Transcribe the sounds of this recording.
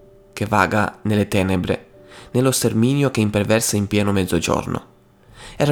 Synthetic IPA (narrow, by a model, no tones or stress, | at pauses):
keva̰ːɡa̰nelet̪ɛːnebɾḛnelost̪ermiːnjokeimpervɛrsaimpjɛːnomɛd̪zːod͡ʒɔ̰rno̰ | ɛːɾa